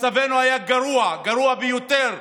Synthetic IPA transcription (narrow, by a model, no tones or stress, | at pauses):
savenuajaɡaɾuaɡaɾuabejot̪eɾ